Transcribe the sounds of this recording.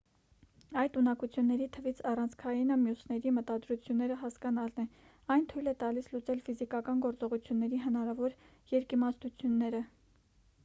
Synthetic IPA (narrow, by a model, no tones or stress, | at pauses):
ɑjt̪unɑkut͡sʰjunːɛɾit̪ʰəvit͡sʰɑrɑnt͡sʰkʰɑjinəmjusnɛɾimət̪ɑd̪ɾut͡sʰjunːɛɾəɦɑskɑnɑlnɛ | ɑjnt̪ʰujlɛt̪ɑlislut͡sɛlfizikɑkɑnɡɔɾt͡sɔʁut͡sʰjunːɛɾiɦənɑɾɑvɔɾ | jɛɾkimɑst̪ut͡sʰjunːɛɾə